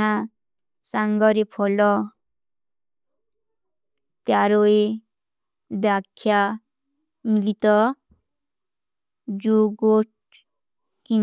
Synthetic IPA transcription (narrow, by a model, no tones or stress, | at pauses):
a | saŋɡɔɾepʰɔlɔ | t̪jaɾoe | d̪jakʰːja | milit̪ɔ | d͡ʒoɡoʈ | ki